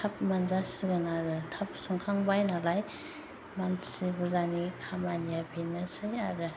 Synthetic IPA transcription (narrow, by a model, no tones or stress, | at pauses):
tʰap̚manzasiɾɯŋaɾɯtʰap̚sɔŋkʰaŋbajnalaj | mansibuzanikʰamanijabʰinɯsɯjaɾɯ